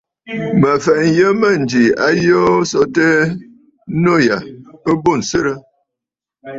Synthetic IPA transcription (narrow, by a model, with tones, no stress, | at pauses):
mə˨fɛ˨ʔn˨jə˦mə˦˨n̩˨d͡ʒi˨a̰˦jo˦sɔ˦tə˦ | no˦˨ja˨ə˦bo˦˨n̩˨sə˦ɾə˦